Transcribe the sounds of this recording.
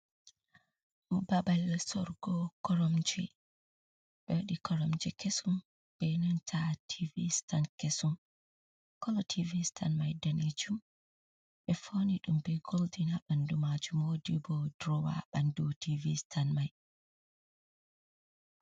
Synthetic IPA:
babalsɔɾɡɔkɔɾɔmd͡ʒɛ̰ | ɓɛwaɗikʰɔɾɔmd͡ʒɛkesum | ɓɛnɔntʰatʰivistankesum | kɔlɔtʰivistʰanmajdanid͡ʒum | ɓɛfoniɗumbɛɡoldinaɓandumad͡ʒumoːdibɔdɾɔwa̰ɓandutʰivistʰanmaj

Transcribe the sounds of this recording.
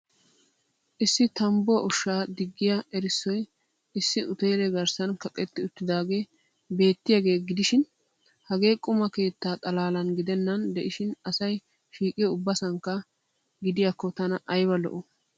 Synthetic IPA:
ʔɪsːɪt̪ɐmbɔʔʊʃːaːd̪ɪɡːɪjaʔɛɾɪsːɔj | ɪsːɪʊt̪ɛjlɛɡɐɾsɐnkɐkʼɛt̪ːɪʊt̪ːɪd̪aːɡe̞ː | be̞ːt̪ːɪjaɡe̞ːɡɪd̪ɪʃɪn | hɐɡe̞ːkʼʊmɐke̞ːt̪ːaːt̪ʼɐlaːlɐnɡɪd̪ɛnːɐnd̪ɛʔɪʃɪnɐsɐj | ʃiːkʼɪʊbːɐsɐŋkːɐ | ɡɪd̪ɪjakːɔt̪ɐnɐʔɐjbɐlɔ̰ʔɔ

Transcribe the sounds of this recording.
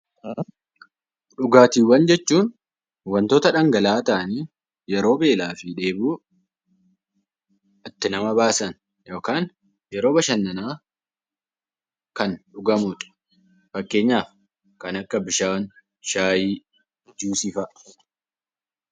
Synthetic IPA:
ᶑʊɡaːt̪iːwɐnd͡ʒɛt͡ʃːuːn | wɐnt̪oːt̪ɐᶑɐŋɡɐlaːt̪ɐʔniː | jɛɾo̞ːbe̞ːlaːfɪᶑe̞ːbuː | ɐt̪ːɪnɐmɐbaːsɐn | jo̞ːkaːn | jɛɾo̞ːbɐʃɐnːɐnaː | kɐnᶑʊɡɐmʊᶑ̪̥ | fɐkːe̞ːɲːaːf | kɐnɐkːɐbɪʃaːn | ʃaːjiː | d͡ʒuːsɪfɐʔ

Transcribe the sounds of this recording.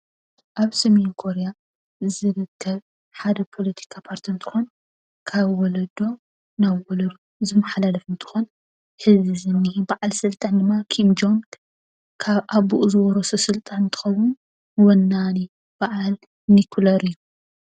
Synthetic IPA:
ʔaβsɐmenkʰo̞ɾeja | zɨɾɨkʰːɐβ | ħad̪ɐpʰo̞lɐt̪ʰi̥kʰapʰaɾt̪ʰint̪ʰɨ̥xon | kʰaβwɔlɐd̪o̞ | naβwɔlɐɾu | zɨmːɐħalalɐfɨnt̪ʰɨ̥xon | hɨzizɨnːibaʔalsɨlt̪ʼand̪ɨmːakʰimd͡ʒomt̪ | kʰaβʔaβuʔzɨβɔɾososɨlt̪ʼant̪ʰɨ̥xɐwʊn | wɔnːani | b̥aʕal | nikʰlɐɾɨjːu

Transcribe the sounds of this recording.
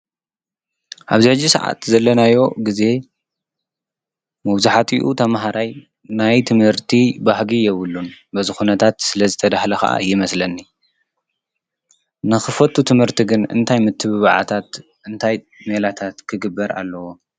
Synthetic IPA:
ʔaβzɨħɨd͡ʒːisa̰ʕa̰t̪zɐlːɐnajo̞ɡize̞ | mɐβzuħat̪ʰiʔut̪ʰɐmɦaɾʔaj | najt̪ʰɨmhɨɾt̪ʰibahɡijɛβɨlːunbɐzɨxunɐt̪ʰat̪sɨlɐzɨt̪ʰɐd̪ahlɐxɐ̰ʔa̰jɪmɐslɐnːi | nɨxɨfɐt̪ʰːut̪ʰɨmhɨɾt̪ʰiɡɨnɨ̰nt̪ʰajmɨt̪ʰːɨβɨβaʕa̰t̪ʰat̪ | ʔɨnt̪ʰaj | melat̪ʰat̪kʰɨɡɨbːɐɾa̰lːɐwo̞

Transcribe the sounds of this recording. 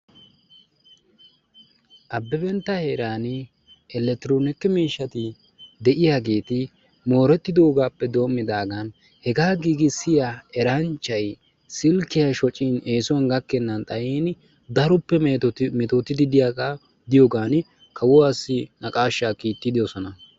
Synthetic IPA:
ʔɐbːɛbɛnt̪ːɐhe̞ːɾaːn | ɛlɛt̪ɪɾoːnɪkːɪmiːʃːɐt̪ɪ | d̪ɛʔɪjaːɡe̞ːt̪ɪ | mo̞ːɾɛt̪ːɪd̪o̞ːɡaːpːɛd̪o̞ːmːɪd̪aːɡɐn | hɛɡaːɡiːɡɪsɪjaɛɾɐnt͡ʃːɐj | sɪlkːɪjɐʃɔt͡ʃʼːine̞ːsɔwɐnɡɐkːɛnːɐnt̪ʼɐjiːn | d̪ɐɾʊpːɛmɛt̪ot̪ɪd̪ɪd̪ɪjaːa | d̪ɪjoːɡaːn | kʰɐwɔasːɪnɐkʼaːʃːaːkiːt̪ːɪd̪ɪjosɔnɐ

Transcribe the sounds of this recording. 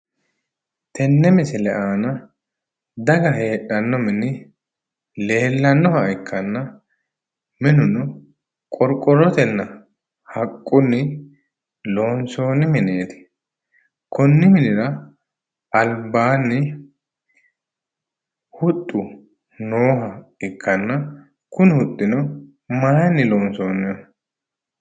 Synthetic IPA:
t̪ɛnːɛmɪsɛlɛʔaːnɐ | d̪ɐɡɐɦe̞ːᶑɐnːɔmɪnɪ | le̞ːlːɐnːɔhɐʔɪkːɐnːɐ | mɪnʊnɔ | kʼɔɾkʼːɔɾɔt̪ɛnːɐ | hɐkʼːʊnːɪ | lo̞ːnso̞ːnːɪmɪne̞ːt̪ɪ̥ | kʰɔnːɪmɪnɪɾɐ | ɐlbaːnːɪ | hʊt̪ʼːʊ | noːɦɐɪkʰːɐnːɐ | kʊnɪhʊt̪ʼːɪnɔ | maːjnːɪlo̞ːnso̞ːnːɪɔ

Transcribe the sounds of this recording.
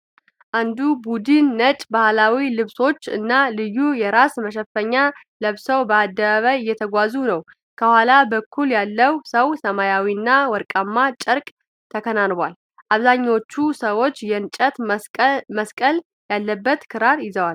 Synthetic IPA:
ʔand̪ubud̪ɨnːət͡ʃʼbahlawilɨβso̞t͡ʃːɨ̰nːalɨjːujɛɾasməʃ̬ɛfəɲːa | ləβsəwbəad̪ːəβaβajɨjːɛt̪ʰəɡʷazunəw | kʰəhʷalabəkʰːuljalːəwsəwsəmajawiɨnːawɔɾkʼamːat͡ʃʼəɾkʼ | t̪ʰəkʰənanbʷal | ʔaβzaɲːawot͡ʃːusəwo̞t͡ʃːjɛnt͡ʃʼət̪ | məskʼəl | jalːəbːət̪kʰɨɾaɾjɪzəwal

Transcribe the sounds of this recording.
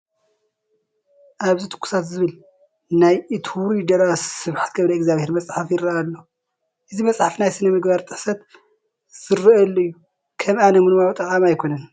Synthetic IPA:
ʔaβzit̪ʰɨ̥kʰːu̥sat̪zɨβɨl | najɨt̪ʰɾid̪ɐɾasɨβħḁt̪̚ɡɐβɾɐɛɡzaβheɾmɐt͡sʼħafjɪɾɐalːo | ʔɨzimɐt͡sʼħafnajsɨnɐmɨɡbaɾt̪ʼɨħsɐt̪ | z̥ɨrɐɐlːoɨjːu | kʰɐmanɐmɨnmawt̪ʼɐʕʼamajkʰo̞nɐn

